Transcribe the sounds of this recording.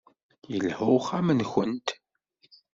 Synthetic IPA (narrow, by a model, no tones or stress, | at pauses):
jəlhʊχæmənçənt̪